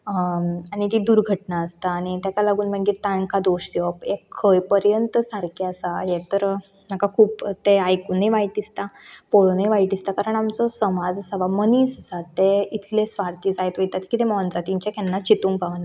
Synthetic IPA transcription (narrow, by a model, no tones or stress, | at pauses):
añit̪id̪uɾɡʱəʈnaəst̪aːñit̪jakalaɡuːnməɡiːɾt̪aŋkad̪oɕd̪iʋəpekʰːəjpəɾjənt̪saɾkiəsajet̪əɾ | nakakʰuːpt̪eajkuneʋaiʈist̪apoɭonəjʋaiʈist̪akaɾəɳamt͡sɔsəmad͡zəsaʋaməniːsasat̪ːeit̪ʰlesʋaɾt̪iːd͡zajt̪ʋəjt̪at̪kiːt̪emɔnd͡zat̪ĩɲt͡ɕekɛnːat͡ɕit̪ũŋɡpaʋən